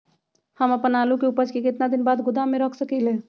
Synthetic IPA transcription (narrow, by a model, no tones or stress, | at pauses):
həməpənalukeupəd͡ʒkekɪt̪nad̪ɪnbaːd̪ɡʊd̪ameɾəkʰsəkɛle